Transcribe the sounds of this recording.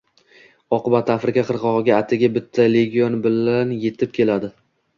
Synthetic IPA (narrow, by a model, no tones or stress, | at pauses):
ɒqɨbat̪ʰːafɾɪkʲaqʰɨɾqʰɒʁɨɡʲaːt̪ʰɪɡʲabɪt̪ʰːale̞ɡʲionbɪlanje̞t̪ʰɪp̚kʲʰe̞lad̪ɪ